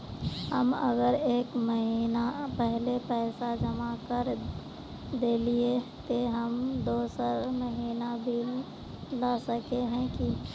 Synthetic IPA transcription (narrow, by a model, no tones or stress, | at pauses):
həmə̰ɡəɾeːkməɦiːnapɛɦlepɛɪsad͡ʒəmakəɾ | d̪eliet̪oɦəmd̪oːsəɾməɦiːnabʱil | lasəkeɦɛ̃ki